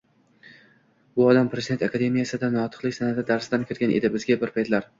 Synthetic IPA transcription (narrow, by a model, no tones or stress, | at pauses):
bʊɒd̪ampʰɾe̞zɪd̪e̞nt̪akʰad̪e̞mijasɪd̪anɒt̪ʰɨ̥qlɪkʲsanad̪ɪd̪aɾsɪd̪ankʲʰɪɾɡʲanʔḛd̪ɪbɪzɡʲabɪɾpʰajt̪ʰlaɾ